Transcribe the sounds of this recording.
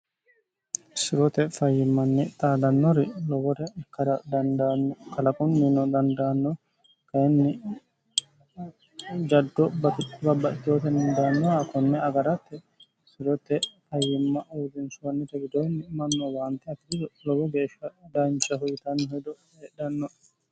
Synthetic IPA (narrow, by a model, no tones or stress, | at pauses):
sɪɾɔt̪ɛfɐjːɪmːɐnːɛt̪ʼaːd̪ɐnːɔɾɛlɔwɔɾɛɛkːɐɾɐd̪ɐnd̪anːɔkɐlɐkʼɔnːinɔd̪ɐnd̪aːnːɔ | kɐjɛnːɪ | d͡ʒɐd̪ːɔbɐbɐbːɐʔɪt̪ːɪjoːt̪ɛnnd̪anːɔakɔnːɛɐɡɐɾɐt̪ːɛ | sɪɾɔt̪ːɛfɐjːɪmːɐʔuːd̪ɪnsʊwɐnːɛt̪ɛɡɪd̪ɔnːɪmɐnːɔwaːnt̪ːɛɐt̪ːɪd̪ɪd̪ɔlɔwɔɡe̞ːʃːɐd̪ɐnt͡ʃːɐɦʊjɪt̪ɐnːɔɦɔjd̪ɔ | eɗɐnːɔ